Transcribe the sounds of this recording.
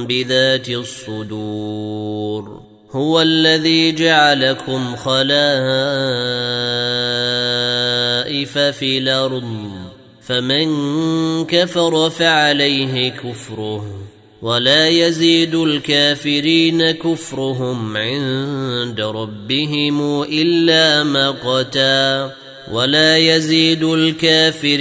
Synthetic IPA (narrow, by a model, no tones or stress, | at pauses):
bɪðaːt̪ɪsˤːʊd̪uː | ɾ | hʊwalːaðiːd͡ʒaʕalakʊmxɑlaː | ʔɪfafiːlʔɑɾdˤ | famɪn | kafɑɾˤɑfaʕalajɦɪkʊfɾʊh | walaːjaziːd̪ʊlkaːfɪɾiːnakʊfɾˤʊɦʊmʕɪnd̪aɾˤɑbːɪɦɪmʔɪlːaːmaqɑt̪aː | walaːjaziːd̪ʊlkaːfɪɾ